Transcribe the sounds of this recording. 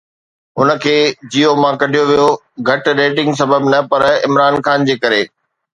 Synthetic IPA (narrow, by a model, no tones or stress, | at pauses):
ɦʊnə̆kʰeːd͡ʑiːomãkɐɖʱijoʋijo | ɡʱɐʈɾeːʈɪ̃ŋɡs̬ɐbəbnɐpɐɾɪ̰mɾaːnxaːnd͡ʑeːkɐɾeː